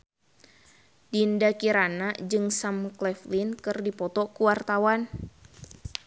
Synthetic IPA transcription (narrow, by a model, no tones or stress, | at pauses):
dindakiɾanad͡ʒɨŋsamklɛflinkɨrdipɔt̪ɔkuwart̪awan